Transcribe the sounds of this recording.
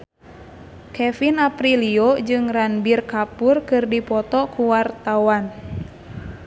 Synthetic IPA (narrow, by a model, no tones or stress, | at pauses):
kɛfinapɾiliod͡ʒɨŋranbirkapurkɨrdipɔt̪ɔkuwart̪awan